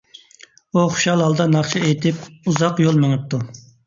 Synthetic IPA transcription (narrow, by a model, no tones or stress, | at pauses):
uχʊ̥ʃɑlˠhɑlˠd̪ɑnɑχt͡ʃʰɑejt̪ʰɪpuzɑqjolˠmeŋɨp̚t̪ʰu